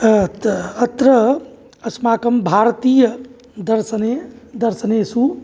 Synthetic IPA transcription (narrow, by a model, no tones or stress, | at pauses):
t̪ɾə | ɐsmaːkəmbʱaɾt̪ijə | d̪əɾsəned̪əɾsənesu